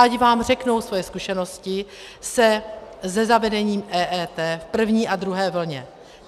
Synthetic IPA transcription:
aɟvaːmr̝ɛknowsvojɛskuʃɛno̞scɪ | sɛzɛzavɛdɛɲiːmʔɛːʔɛːt̪ɛːfpr̩vɲiːʔad̪ɾuɦɛːvl̩ɲɛ

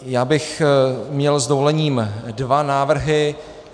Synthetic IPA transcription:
jaːbɪxmɲɛlzd̪ovolɛɲiːmdvanaːvr̩ɦɪ

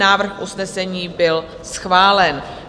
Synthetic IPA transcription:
aːvr̩xʔusnɛsɛɲiːbɪl | sxvaːlɛn

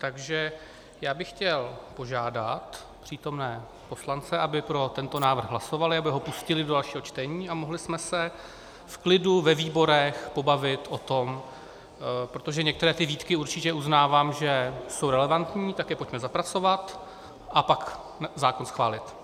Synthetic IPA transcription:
t̪aɡʒɛ | jaːbɪxːcɛlpo̞ʒaːdat̪ | pr̝̥iːt̪o̞mnɛː | po̞slant͡sɛʔabɪpɾo̞t̪ɛnt̪o̞naːvr̩ɣɦlaso̞valɪabɪɦo̞puscɪlɪdodalʃiːɦo̞t͡ʃt̪ɛɲiːamo̞ɦlɪsmɛsɛ | fklɪduvɛviːbo̞ɾɛxpo̞bavɪt̪ʔo̞t̪o̞m | pɾo̞t̪o̞ʒɛɲɛk̚t̪ɛɾɛːt̪ɪviːt̪kɪuɾt͡ʃɪcɛʔuznaːvaːmʒɛso̞wɾɛlɛvant̪ɲiːt̪akɛːpocmɛzapɾat͡so̞vat̪ | ʔapak | zaːko̞nsxvaːlɪt̪

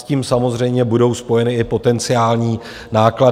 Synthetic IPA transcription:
ciːmsamo̞zr̝ɛjmɲɛbudo̞wspo̞jɛnɪɪpo̞t̪ɛnt͡sɪaːlɲiː | naːkla

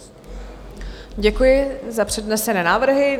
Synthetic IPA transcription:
ɟɛkujɪzapr̝̥ɛdnɛsɛnɛːnaːvr̩ɦɪ

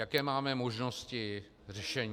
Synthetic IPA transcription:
jakɛːmaːmɛmo̞ʒno̞scɪ | r̝ɛʃɛɲ

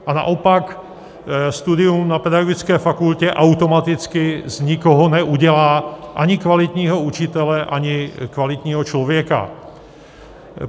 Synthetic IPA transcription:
ʔana̰ʔɔpak | st̪ud̪ɪumnapɛd̪aɡoɡit͡skɛːfakulcɛʔawt̪ɔmat̪ɪt͡skɪzɲikɔɦɔnɛuɟɛlaːʔaɲɪkvalɪt̪ɲiːɦɔut͡ʃit̪ɛlɛʔaɲɪkvalit̪ɲiːɦɔt͡ʃlɔvjɛka̰

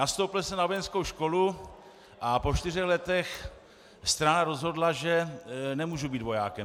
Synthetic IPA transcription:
nast̪owpl̩sɛnavojɛnskowʃko̞lu | ʔapo̞t͡ʃt̪ɪrɛxlɛt̪ɛx | st̪ɾanaɾo̞zɦo̞dlaʒɛnɛmuːʒubiːt̪vo̞jaːkɛ

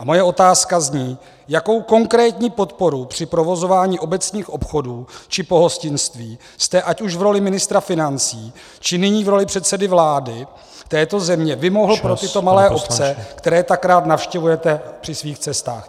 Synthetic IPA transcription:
ʔamo̞jɛo̞t̪aːskazɲiː | jako̞wko̞ŋkɾɛːt̪ɲiːpo̞t̪po̞ɾupr̝̥ɪpɾo̞vo̞zo̞vaːɲiːʔo̞bɛt͡sɲiːxʔo̞pxo̞duːt͡ʃɪpo̞ɦo̞scɪnst̪viː | st̪ɛʔacuʃvɾo̞lɪmɪnɪst̪ɾafɪnant͡siː | t͡ʃɪnɪɲiːvɾo̞lɪpr̥ɛt̪sɛdɪvlaːdɪ | t̪ɛːt̪o̞zɛmɲɛvɪmo̞ɦl̩pɾot̪ɪt̪o̞malɛːʔo̞pt͡sɛkt̪ɛɾɛːt̪akɾaːt̪nafʃcɛvujɛt̪ɛpr̥ɪsviːxt͡sɛst̪a̰ːx

